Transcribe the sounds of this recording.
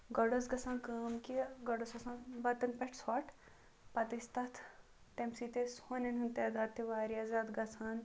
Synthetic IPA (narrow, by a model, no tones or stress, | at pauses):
ɡɐɽɐsɡɐsaːnkaːmkiɡɐɽɐsɐsãːnbɐt̪ɐnpɛʈʰsʰaːʈʰ | pɐt̪ist̪ɐt̪ʰ | t̪emsit̪eshoːnɐnɦunt̪eːd̪aːd̪t̪ʰːeʋaːɾiaːzaːd̪ɡɐt͡sʰaːn